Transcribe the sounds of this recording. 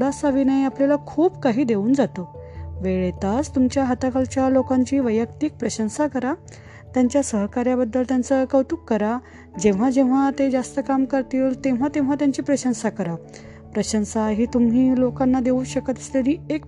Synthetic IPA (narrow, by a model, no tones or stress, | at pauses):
ɽasaʋiɳəjapljalakʰuːbkaɦiːd̪euːnd͡zat̪oʋeɭet̪at͡st̪umt͡ɕjaɦat̪akəlt͡ɕjalokãɲt͡ɕiːʋəjəkt̪iːk̚pɾəɕə̃nsakəɾa | t̪jaɲt͡ɕjasəɦkaɾjabəd̪ːəlt̪jant͡səkəʋt̪ukːəɾa | d͡ʑẽʋ̤ad͡ʑeʋ̤at̪ed͡zast̪əkamkəɾt̪iːlt̪ẽʋ̤at̪ẽʋ̤at̪jaɲt͡ɕiːpɾəɕənsakəɾa | pɾəɕənsaɦiːt̪umɦiːlokanːad̪euːɕəkət̪əsleɾiːek